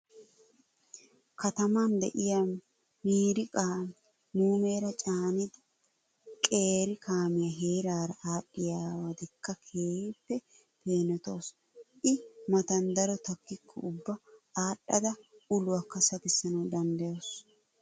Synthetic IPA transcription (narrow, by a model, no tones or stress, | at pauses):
kɐt̪ɐmɐnd̪ɛ̰ʔɪja | miːɾɪkʼaːm | muːmeːɾɐt͡ʃʼaːnɪd̪ɪ | kʼeːɾɪkʰaːmɪjɐɦe̞ːɾaːɾɐʔaːɗːɪjaːwɐd̪ɪkːɐkʰeːpːɛ | peːnɛt̪o̞ːs | ʔɪmɐt̪ɐnd̪ɐɾɔt̪ɐkːɪkʰːɔʊbːɐaːɗɐd̪ɐʊlʊwɐkːɐsɐkɪsːɐnɐwd̪ɐnd̪ɐjoːs